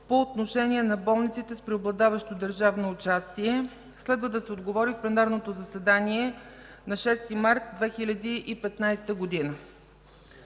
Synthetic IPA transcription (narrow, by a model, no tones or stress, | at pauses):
poːt̪noʃɛnʲiɛnɐbɔlˠnit̪sit̪ɛspɾɛoblˠɐd̪avɐʃt̪od̪əɾʒavnoːt͡ʃast̪iɛ | slɛd̪vəd̪ɐsɛod̪ɡovɔɾifplɛnaɾnot̪ozəsɛd̪aniɛ | nɐʃɛst̪imaɾt̪̚d̪vɛxilʲɐd̪iʔipɛt̪najst̪əɡod̪inə